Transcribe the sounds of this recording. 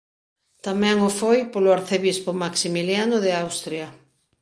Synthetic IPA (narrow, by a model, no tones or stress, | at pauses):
t̪amɛ̃ŋofojpolʊaɾθeβispʊmaksimiljanʊðɪawst̪ɾja